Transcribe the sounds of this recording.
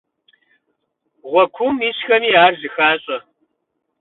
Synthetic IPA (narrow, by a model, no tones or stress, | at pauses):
ʁʷɔkʷʰʊmiɕxɐmiːaːrzɨxaːɕʼɐ